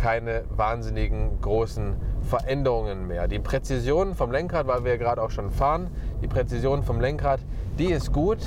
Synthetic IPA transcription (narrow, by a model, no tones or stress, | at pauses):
kʰaɪnəvaːɐnzɪnɪɡŋ̩ɡʁoːsn̩fɛɐʔɛndəʁ̞ʊŋənmeːɐdiːpʁ̥ɛt͡sizjoːnənfɔmlɛŋkʁaːtv̥aɪlviːɐɡəʁaːdəaʊxʃoːnfaːʁənd̥iːpʁ̥ɛt͡sizjoːnfɔmlɛŋkʁaːt | d̥iːɪstɡ̥uːt